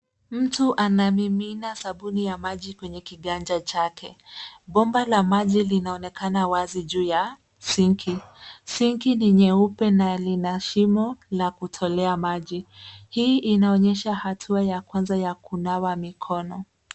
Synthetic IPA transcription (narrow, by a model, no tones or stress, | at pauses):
m̩tuʔanamiminasaɓunijamaʄikwɛɲɛkiɠand͡ʒat͡ʃakʰɛɓɔmbalamaʄilinaɔnɛkanawaziʄuːja | siŋkʰisiŋkiniɲɛupɛnalinaʃimɔlakutʰɔlɛamaʄihiːʔinaɔɲɛʃahatʰuajakwanzajakunawamikʰɔnɔ